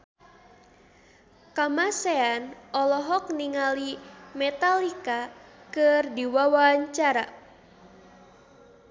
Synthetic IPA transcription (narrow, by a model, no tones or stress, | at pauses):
kamaseanɔlɔɦɔk̚niŋalimɛt̪alikakɨrdiwawaɲt͡ʃaɾa̰